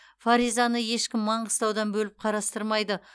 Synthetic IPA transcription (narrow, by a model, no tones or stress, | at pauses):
faɾizɑnəje̞ʃkʲɪmːɑɴəst̪ɑwd̪ɑnbɵlɪp̚qʰɑɾɑst̪əɾmɑjd̪ə